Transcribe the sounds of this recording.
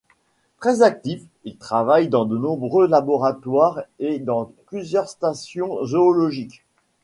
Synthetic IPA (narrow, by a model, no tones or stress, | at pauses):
t̪χɛzak̚t̪if | ilt̪χavajd̪ɑ̃d̪ənɔ̃bʁølabɔʁat̪waʁed̪ɑ̃plyzjœʁst̪asjɔ̃zoːlɔʒik